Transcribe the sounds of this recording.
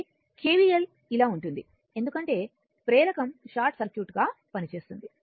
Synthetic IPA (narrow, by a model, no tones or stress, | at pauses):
kʰeːʋijel | ilaːuɳʈund̪i | end̪ukɐɳʈe̞ː | pɾɛːlɐkɐmʃaːɾʈsɐɾkjuːʈɡaːpɐnit͡ʃe̞ːst̪und̪i